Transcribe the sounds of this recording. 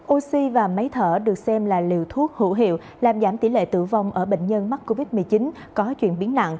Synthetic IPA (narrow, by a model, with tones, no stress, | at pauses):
ʔo˧si˧vaː˨˩mə˨˦jt̪ʰəː˧˩ɗɨ˨˩ək̚sɛ˧mlaː˨˩li˨˩əwt̪ʰu˦˥ək̚hṵ˧˥ɦḭ˧˨əw | laː˨˩mzaː˧˩mt̪i˧˩lḛ˧˨t̪ɨ̰˧˩va˧wŋ͡mʔəː˧˩ɓḛ˧˨ŋ̟ɲə˧nm˦˥t̚kːo˧vi˦˥t̚mɨ˨˩ət͡ɕi˨˦n | kɔ˨˦t͡ɕwḭ˧˨ənɓi˨˦əna̰˧˨ŋʔ